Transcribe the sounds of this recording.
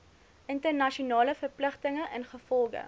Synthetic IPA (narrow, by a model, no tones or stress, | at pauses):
ʔəntərnɐʃiunɑːləfərpləχtəŋəʔənχəfɔlˠɡə̰